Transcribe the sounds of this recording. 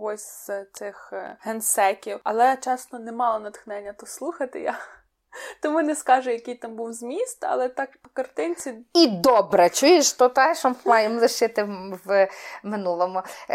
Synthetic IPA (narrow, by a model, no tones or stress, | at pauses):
ɦɔsʲzzt̪sɪxɦɛnsɛkʲiwɐlˠɛt͡ʃɛsnɔnɛmɑlˠɔnɐt̪xnɛnʲːɐt̪ɔslˠuxɐt̪ɪ̰ja | t̪ɔmunɛskɑʒɛjɐkijt̪ɑmbuwzʲmʲist̪ɐ̰lˠɛt̪ɑk̚pɔ̥kɐrt̪ɪnʲt͡sʲiid̪ɔbɾɛt͡ʃujɪʃt̪ɔt̪ɛʃɔmmɑjemlˠɪʃɪt̪ɪwmɪnulˠɔmʊ